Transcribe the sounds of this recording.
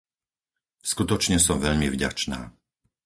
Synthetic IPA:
skut̪ɔt͡ʃɲɛsɔmʋɛʎmivɟa̰t͡ʃna̰ː

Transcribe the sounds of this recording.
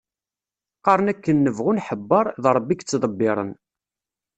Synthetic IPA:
qɑɾˤənækːənːəvʁʊnħəbːɑɾˤðˤɾˤəbːikt͡sːd̪ˤəbːɪɾˤə̰n

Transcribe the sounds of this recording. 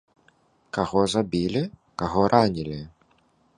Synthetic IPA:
kaɣɔzabʲilʲikaɣɔɾʔanʲilʲi

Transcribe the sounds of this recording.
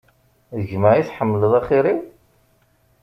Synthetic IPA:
ðəʝmaʕiθħəmːləðˤɑχɪɾiw

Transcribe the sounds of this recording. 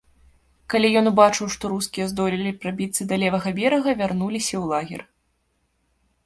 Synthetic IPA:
kalʲijɔnbat͡ʂɨwʂt̪ɔɾuskʲijɛzd̪ɔlʲilʲipɾabʲit̪sːɨd̪ɐlʲɛvɐɣɐvʲɛɾɐɣɐvʲarnulʲisʲɐwlˠaɣʲɛ̰r

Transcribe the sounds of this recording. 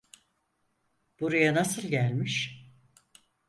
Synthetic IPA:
b̥uɾajanasɯlˠɟælʲmiʃ

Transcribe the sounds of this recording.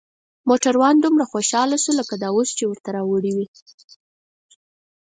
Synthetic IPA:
moʈaɾwɑnd̪umɾaxoʃɑlasuləkad̪ɑost͡ʃewəɾt̪aɾɑwəɽiwi

